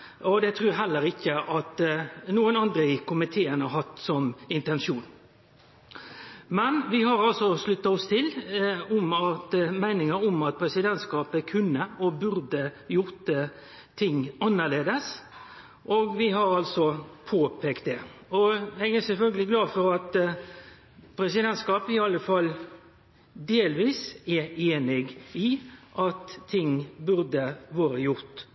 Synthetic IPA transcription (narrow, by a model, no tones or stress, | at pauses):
ʔɔd̪ɛt̪ʰɾʉːɦɛlːəɾɪkːəʔɑt̪nuːənɑnd̪ɾəɪkʊmɪt̪ʰeːənɑɾhɑt̪ːsɔmɪnt̪ɛnʃuːn | mɛnʋɪhɑɾɑlsɔslʉt̪ːɑɔst̪ʰɪlɔmɑt̪mæɪnɪŋəɾɔmɑt̪̚pʰɾɛsɪd̪ɛnt̪skɑːpəkʰʉnːəɔbʉɾd̪əjʊʁt̪ə | t̪ʰɪŋːɑnːəɭeːd̪əs | ʔoːɡʋɪɦɑɾɑlsɔpʰoːpʰeːkt̪̚d̪ɛɔɛɡæsɛlfœlɡəlɪɡlɑːfɔɾɑt̪ | pʰɾɛsɪd̪ɛnt̪skɑːpɪɑlːəfɑlː | d̪eːlʋiːsɛeːnɪɡɪʔɑt̪ʰːɪŋːbʉɾd̪əʋoːɾəjʊɾt̪